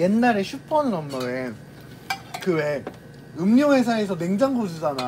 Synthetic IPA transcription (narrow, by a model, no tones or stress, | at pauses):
je̞nːaɾeɕʰup͈ʌnnʌmːʌen | kɯwe̞ | ɯmɲjʌŋɦes̬ʰaes̬ʰʌne̞ŋd͡ʑaŋɡod͡ʑud͡ʑana